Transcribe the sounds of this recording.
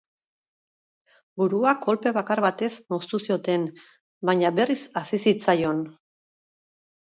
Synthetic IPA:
buɾuako̞lpe̞β̞akarβat̪e̞sno̞st̪usio̞t̪e̞n | baɲaβe̞risasisit͡sajo̞n

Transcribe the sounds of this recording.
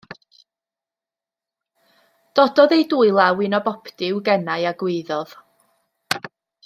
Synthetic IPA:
d̥ɔdɔðejduɨlˠawɪnɔbɔpʰtɪwɡɛnajaɡwɪðɔð̥

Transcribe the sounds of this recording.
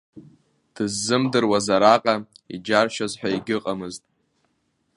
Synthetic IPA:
d̥ɨzːɨmdɨrwazaɾaqʼaḭd͡ʒarʃazħʷᶣaiɡʲɪqʼamɨztʼ

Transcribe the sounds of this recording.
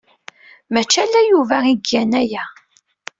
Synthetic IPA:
mæt͡ʃːælːæjuvæiɡːænæjæ

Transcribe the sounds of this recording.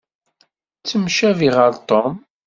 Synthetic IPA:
t͡sːəmʃæviʁəɾt̪om

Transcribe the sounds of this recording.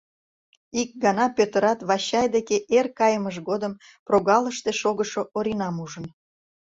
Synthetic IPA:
ik̚ɡɑnɑpøt̪əɾɑt̪βɑɕɑjd̪ekeʔerkɑjəməʒɡod̪əm | proɣɑləʃt̪eʃoɣəʃoʔoɾinɑmuʒən

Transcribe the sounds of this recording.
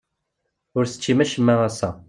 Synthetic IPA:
ʊɾsə̥t͡ʃːimæʃəmːæʁæsːæ

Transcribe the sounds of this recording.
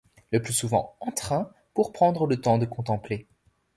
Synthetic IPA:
ləplysuvɑ̰̃ɑ̃t̪χɛ̃ | puʁpχɑ̃d̪ʁələt̪ɑ̃d̪əkɔ̃t̪ɑ̃ple

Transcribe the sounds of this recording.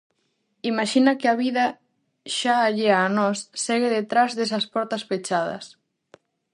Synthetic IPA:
imaʃinɐkɪaβiðɐ | ʃaːʎeanɔsːɛɣ̞eðet̪ɾazðesɐspɔɾt̪ɐsfet͡ʃað̞ɐ̰s

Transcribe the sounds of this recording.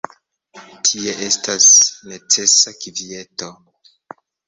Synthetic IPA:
tʰie̞ʔe̞stasne̞t͡se̞sakivie̞to̞

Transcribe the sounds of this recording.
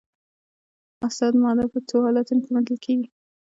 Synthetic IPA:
asɑd̪mɑd̪apət͡sohɑlat̪unkemad̪əlkʰeɡi

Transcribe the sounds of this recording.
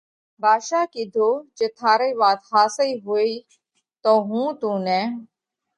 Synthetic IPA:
baːʃaːkiːd̪ʱoːd͡ʒeːt̪ʰaːɾeːʋaːt̪ɦaːsəiːɦoːiː | t̪oːɦũːt̪ũːnɛ̃ː

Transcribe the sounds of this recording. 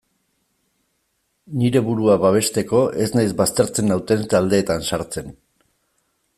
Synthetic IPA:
niɾe̞βuɾuaβaβ̞e̞st̪e̞ko̞ʔe̞znajzbast̪e̞ɾt͡se̞nawt̪e̞nt̪ald̪e̞ːt̪ansaɾt͡se̞n

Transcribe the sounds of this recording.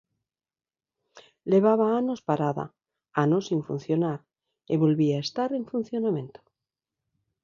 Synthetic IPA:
leβ̞aβaano̞spaɾaða̰ | anosiɱfṵn̟θjonaɾ | eβo̞lβiaest̪aɾeɱfun̟θjonamẽ̞nt̪o̥

